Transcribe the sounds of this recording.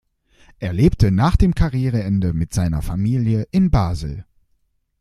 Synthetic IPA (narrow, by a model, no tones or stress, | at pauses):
ʔeːɐleːp̚tənaːχd̥eːmkʰaʁjeːʁ̞əɛndəmɪtz̥aɪnɐ̰famiːljəʔɪnbaːzl̩